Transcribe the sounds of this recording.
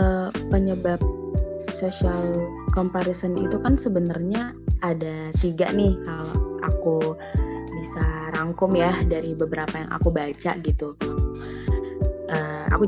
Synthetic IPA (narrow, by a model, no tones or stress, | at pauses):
əpəɲəbap̚sosial | kɔmpaɾisənḭt̪ukansəbənarɲaː | dat̪iɡa̰ʔnɪhkaloa̰ku | bisaɾaŋkʊmjadaɾibəbəɾapaja̰ŋʔa̰kubat͡ʃa̰ʔɡit̪u | ʔəa̰ku